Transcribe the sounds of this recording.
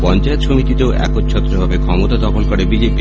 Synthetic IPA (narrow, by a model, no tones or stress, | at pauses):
pɔnt͡ɕaet̪ʃomit̪it̪eoʔɛ̰kot̪t͡ɕʰɔt̪ːɾobʱabekʰɔmot̪ad̪ɔkʰolkɔɾebid͡ʑepi